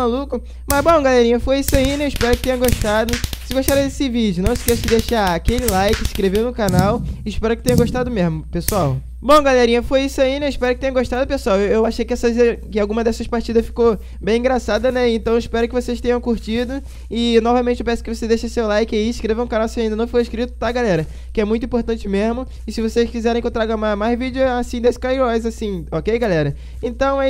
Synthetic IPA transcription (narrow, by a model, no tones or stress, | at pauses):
malukʊ | mɐzbõw̃ɡalɛɾĩɲɐfojisʊainɛɪʃpɛɾʊkɪ̥t̪ẽɲɐ̃ɡoʃt̪ad̪ʊsɪɡoʃt̪aɾɐd̪esɪvid͡ʒʊnɐ̃w̃ɪskesʊd͡ʒɪd̪eʃaakelɪlajkɪʃkɾevenʊkanawɪʃpɛɾʊkɪt̪ẽɲɐɡoʃt̪ad̪ʊmezmʊpesuaw | bõw̃ɡalɛɾĩɲɐfojisʊainɛɪʃpɛɾʊkɪt̪ẽɲɐ̃ɡoʃt̪ad̪ʊpesʊaweewaʃejkɪɛsɐzkɪawɡũmɐd̪ɛsɐʃpaɾt͡ʃid̪ɐʃfi̥ko | bẽj̃ĩɡɾasad̪ɐnɛẽnt̪ɐ̃w̃ɪʃpɛɾʊkɪvoseʃt̪ẽɲɐ̃w̃kuɾt͡ʃid̪ʊ | ɪnɔvɐmẽnt͡ʃɪewpɛ̃sʊ̥kɪvosed̪ejʃɐsewlajkɪaiiʃkɾevɐ̃ũkanawsaĩd̪ɐnɐ̃w̃fojiʃkɾit̪ʊ̥t̪aɡalɛɾɐ | kɪɛmũj̃t̪ʊĩpoɾt̪ɐ̃t͡ʃɪmezmʊ | ɪsɪvoseʃkizɛɾẽkewt̪ɾaɡɐmamajzvid͡ʒɪʊasĩd̪eskajɾɔjzasĩɔkejɡalɛɾɐ | ẽnt̪ɐ̃w̃ɛ